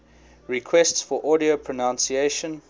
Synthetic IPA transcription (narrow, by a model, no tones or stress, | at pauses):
ɹikʰwɛstsfɔʔɔɾiopʰɹ̥ənãnsieʃə̃n